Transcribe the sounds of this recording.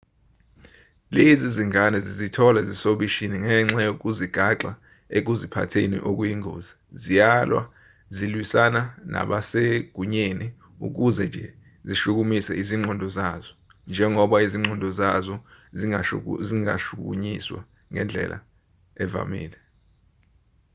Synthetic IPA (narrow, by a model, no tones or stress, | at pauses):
leziziŋanɛzizitʰɔlazisoɓiʃiniŋɛːŋ͡ǁajok̬uziɡ̥ʱaǁa | ek̬uzipʰa̰tʰenḭʔok̬ujiŋʱo̰ːzi | zijalwa̰ | zilwisanana̰ɓaseɡ̥ʱuɲeni | ṵk̬uzɛnd͡ʒʱɛ | ziʃuk̬umisɛiziŋ͡ǃʱɔndʱɔzazɔ | nd͡ʒʱɛŋɔɓaiziŋ͡ǃʱɔndʱɔzazɔiziŋa̰ʃukk̬ṵɲiswa̰ | ŋʱɛnd͡ɮʱɛ̰lʔa̰ | ɛva̰mḭːlɛ